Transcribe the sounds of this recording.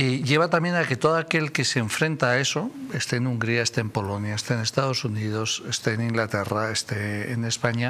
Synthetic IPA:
eʝe̞β̞at̪ambje̞nake̞t̪o̞ð̞oake̞lke̞seɱfɾẽ̞nt̪aːe̞so̞est̪eenuŋɡɾiaest̪eempo̞lo̞njaest̪eene̞st̪að̞o̞sunið̞o̞se̞st̪eenĩŋɡlat̪eraest̪ḛːne̞spaɲa

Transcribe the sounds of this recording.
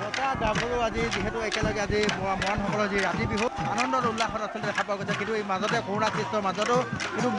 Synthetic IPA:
zɔtadaɡʱɔɹuaziziɦɛtʊɛkɛlɔɡɛazimamɔanxɔkɔlɔziɹatibiɦua̰nɔndɔɾulːaxɔnasiltɛdɛkʰapɔaɡojsɔkintuejmazɔtɛkɔɹnasistɔmazɔtʊkĩntum

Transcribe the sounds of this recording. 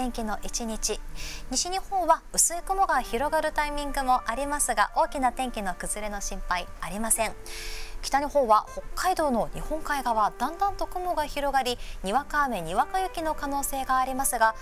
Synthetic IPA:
ẽ̞ŋkʲino̞ʔit͡ɕiɲ̟it͡ɕiɲ̟iɕiɲ̟ihõ̞ɰ̃βaɯ̟sɨekɯ̟moɡaçiɾo̞ɡaɾɯ̟t̪aimʲĩŋɡɯ̟mo̞ʔaɾʲimasɨɡaʔo̞ːkʲinat̪ẽ̞ŋkʲino̞kɯ̟zɨɾe̞no̞ɕĩmpaiaɾʲimasẽ̞ŋkʲi̥t̪aɲ̟ihõ̞ɰ̃βaho̞kːaid̪o̞ːno̞ɲʲihõ̞ŋkaiɡaβad̪ãnd̪ãnt̪o̞kɯ̟mo̞ɡaçiɾo̞ɡaɾʲiɲ̟iβakaːme̞ɲ̟iβakajɯ̟kʲino̞kano̞ːse̞ːɡaːɾʲimasɨɡa

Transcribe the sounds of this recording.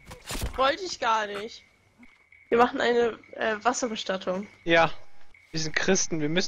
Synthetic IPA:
v̥ɔltəɪçɡ̥aːɐnɪç | viːɐmaχn̩ʔa̰ɪnəʔɛːvasɐbəʃtatʰʊŋjaːviːɐzɪnt̚kʁ̥ɪstn̩viːɐmʏs

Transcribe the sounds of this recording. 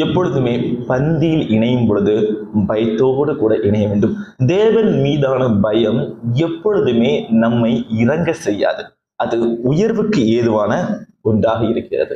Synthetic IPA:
ɛpːɔɻɯðɯmeːpɐnd̪ɪjɪlɪɳɐjɯmpɔɻɯðɯbɐjɐt̪ːoːɽɯkuːɽɐʔɪɳɐjɐʋeːɳɖɯmd̪eːʋɐnmiːðaːnɐbɐjɐmɛpːɔɻɯðɯmeːnɐmːɐɪɪrɐŋɡɐsɛjːa̰ːðɯ | ʔɐðɯʊjɐɾʋɯkːɯeːðɯʋaːnɐ | ʊɳɖaːɣɐɪɾɯkːɪrɐ̰ðɯ̰

